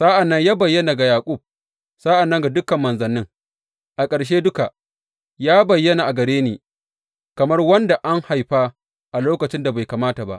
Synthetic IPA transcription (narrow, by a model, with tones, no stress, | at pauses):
sa˦ʔa˨nːɐ˦ɲjaː˦bɐ˨jːɐ˦na˨ɡa˨jaː˨kʷʼʊ˦˨b̚ | sa˦ʔa˨nːɐ˦ŋɡa˨dʊ˦kɐ˨mːɐ˨nzɐ˨nːɪ˦ŋ | ʔa˨kʼɐ˨ɽʃ̬eː˦dʊ˦ka˨ | jaː˦bɐ˨jːɐ˦na˨ʔa˨ɡɐ˨ɽeː˦neː˨ | kɐ˨mɐ˦rwɐ˦nda˨ʔa˦ŋha˨jɸaː˦ | ʔa˨loː˦kɐ˨t͡ʃɪ˦nda˨ba˨jkaː˨maː˦ta˨ba̰˦˨ʔ